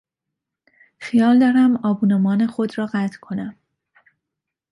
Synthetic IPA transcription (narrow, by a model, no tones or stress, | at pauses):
xijɒːld̪ɒːɾæmɒːbuːnemɒːne̞xo̞d̪ɾɒːɢæt̪ʰkʰo̞næm